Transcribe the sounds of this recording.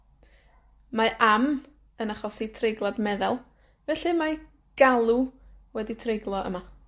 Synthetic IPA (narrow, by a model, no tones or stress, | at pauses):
maʔam | ənaχɔsitʰrejɡlˠadmɛðɛlˠ | vɛɬɨma | ɡ̥alˠuwɛditʰrejɡlˠɔʔə̰ma